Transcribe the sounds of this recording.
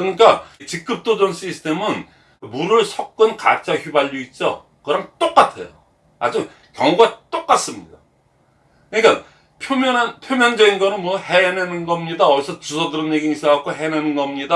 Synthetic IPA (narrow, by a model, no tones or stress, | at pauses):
kɯɾʌɲik͈at͡ɕik̚k͈ɯp̚t͈od͡ʑʌnɕ͈ʰisʰɯ̥tʰe̞mɯn | muɾɯɭsʰʌk̚k͈ɯnka̰t͡ɕ͈ʰaçubaʎːuit̚t͡ɕ͈o̰ | kɯɾɦamt͈ok͈atʰḛjo | a̰d͡ʑu | kjʌŋuɡat͈ok͈as͈ɯmɲida | kɯɲik͈a | pʰjomjʌnanpʰjomjʌnd͡ʑʌɡinɡʌnɯnmwʌhenenɯnɡʌmɲidaʌɭsʰʌt͡ɕusʰʌdɯɾɯnjeɡiŋis͈awak͈oɦenenɯnɡʌmɲida